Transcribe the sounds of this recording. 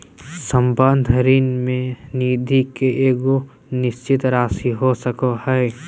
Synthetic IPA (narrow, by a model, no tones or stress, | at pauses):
sə̃mbə̃nd̪ʱəɾiːnmẽniːd̪ʱikeʔeːɡo | nɪst͡ʃɪt̪ɾaːsiɦosəkohɛe